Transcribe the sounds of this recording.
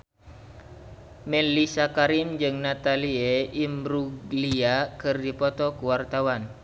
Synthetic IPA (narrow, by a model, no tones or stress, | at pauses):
mɛlisakaɾimd͡ʒɨŋnat̪alieimbɾuɡliakɨrdipɔt̪ɔkuwart̪awan